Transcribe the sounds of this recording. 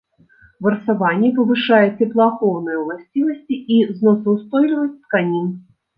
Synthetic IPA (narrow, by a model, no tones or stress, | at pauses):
vɐrsavanʲːɛpɐvɨʂajɛt͡sʲɛplˠɐːxɔwnɨjɛwlˠasʲt͡sʲivɐsʲt͡sʲiʔiznɔsɐwst̪ɔjlʲivɐsʲtʲt̪kanʲin